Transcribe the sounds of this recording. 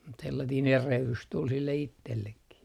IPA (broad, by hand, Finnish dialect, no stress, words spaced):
mut selːɑtiːn erehlys tul silːe itːelːekːi